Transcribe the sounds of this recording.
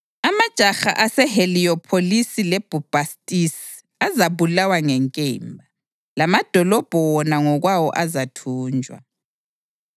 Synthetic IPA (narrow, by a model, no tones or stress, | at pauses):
amad̥ʒ̥ʱaxa̰ʔasɛheliɔpʰolisilɛb̥ʱub̥ʱastʼis | azaβulawaŋɛŋkʼɛːmbʱa | lamad̥ʱɔlɔb̥ʱɔwɔnaŋɔɣwawɔ̰ʔazatʰuːnd͡ʒʱwa̰